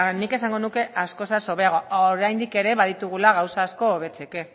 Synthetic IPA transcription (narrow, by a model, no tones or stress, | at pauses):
nike̞saŋɡo̞nuke̞ʔasko̞saso̞βe̞aɣooɾajnd̪ike̞ɾe̞βaðit̪uɣ̞ulaɣawsaːsko̞βe̞t͡se̞ke̞